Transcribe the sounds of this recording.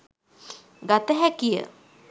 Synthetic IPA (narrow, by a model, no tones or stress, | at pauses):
ɡat̪əɦækijə̰